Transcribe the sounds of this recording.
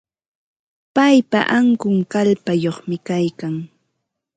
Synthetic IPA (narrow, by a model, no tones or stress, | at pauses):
pajpa̰ʔaŋkʊŋkalpajoχmɪkajkaŋ